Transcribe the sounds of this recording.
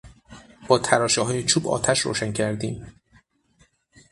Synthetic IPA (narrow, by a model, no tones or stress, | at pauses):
b̥ɒːt̪ʰæɾɒːʃɛɦɒːjet͡ʃʰuːbɒ̰ːt̪ʰæʃɾo̰ːʃæŋcʰæɾd̪iːm